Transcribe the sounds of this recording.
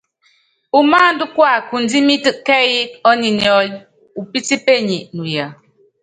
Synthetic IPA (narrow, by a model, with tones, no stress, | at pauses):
u˨maː˦n˦du˦kwa˦˨ku˨n˦di˦mi˦tɨ˦ʔkɛ˦ji˦k̚ɔ˦ni˨nɔ˦l | u˨pi˦ti˦pe˦˨ɲi˨ʔnu˨ja˨